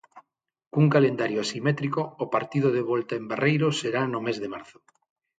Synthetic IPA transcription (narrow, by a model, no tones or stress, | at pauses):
kuŋkalend̪aɾjoasimet̪ɾikoːpaɾt̪iðoðeβɔlt̪aembarejɾoseɾanomezðemaɾθo̥